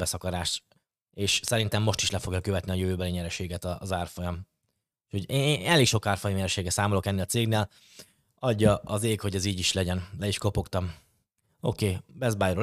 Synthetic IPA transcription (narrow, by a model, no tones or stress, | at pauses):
bɛsɒkɒɾaːʃt̪ | eːʃsɛɾint̪ɛmːo̞ʃt̪i̥ʃlɛfo̞ɡjɒkø̞vɛt̪niɒjøvøːbɛliɲɛɾɛʃeːɡɛt̪ɒzaːrfo̞jɒm | ʃho̞ɟenɛleːkʃokaːrfojmɲɛɾɛʃeːɡɛsaːmolo̞kɛnːeːlɒt̪seːɡneːl | ɒɟːɒɒzeːkho̞ɟɛziːɟiʃlɛɟɛnlɛiʃko̞po̞kt̪ɒm | o̞̰keːbɛzbaːjɾo